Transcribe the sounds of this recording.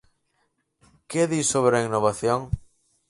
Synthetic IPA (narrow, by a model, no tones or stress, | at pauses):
keðisoβɾainoβaθjoŋ